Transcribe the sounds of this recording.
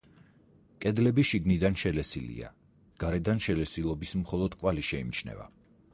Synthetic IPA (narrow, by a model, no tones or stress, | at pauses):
kʼɛd̪lɛbiʃiɡnid̪anʃɛlɛsilḭa̰ | ɡ̥aɾɛd̪anʃɛlɛsilˠɔbismχɔlˠɔd̪̥kʼwaliʃɛimt͡ʃʰnɛ̰va̰